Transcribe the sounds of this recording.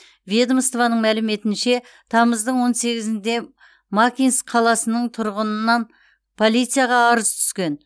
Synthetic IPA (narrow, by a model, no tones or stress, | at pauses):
vʲjed̪mst̪vanəɴmælɪme̞t̪ɪnʃe̞ | t̪ʰɑməzd̪əɴwo̞nse̞ɡʲɪzɪnd̪e̞ | mɑkʲinsqʰɑlˠɑsənəɴt̪ʰʊɾʁənənːɑn | pʰo̞lˠijt̪sɨjaʁɑːɾəz̥t̪ʰʏ̥skʲe̞n